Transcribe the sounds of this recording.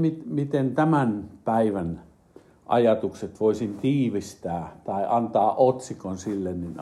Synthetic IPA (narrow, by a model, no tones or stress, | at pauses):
mit̪mit̪ent̪æmænpæiʋæn | ʔɑ̰jɑt̪ukset̪ʋoisint̪iːʋist̪æːt̪ɑiʔɑnt̪ɑːʔʔot̪sikonsilːennin